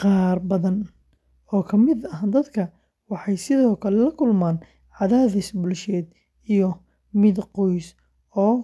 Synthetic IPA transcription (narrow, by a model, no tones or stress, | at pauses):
qɑːrbɐðɐn | ɔːkʰɐmɪd̪ɐɦad̪ɐd̪kʰɐ | wɑħɑjsɪðɔːkʰɐlɛlɐkʰʊlmaːn | ʕɑðaːðɪsbʊlʃɛːd̪ | ijɔ | mɪd̪qɔjs | ɔː